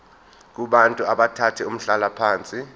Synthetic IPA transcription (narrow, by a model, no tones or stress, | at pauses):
k̬ʼuɓantʼuaɓatʰatʰɛum̩ɬalapʰaːnt͡sʼi